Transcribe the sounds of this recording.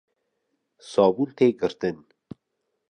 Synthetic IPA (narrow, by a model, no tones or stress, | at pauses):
sɑːbult̪ʰeːɡəɾt̪ən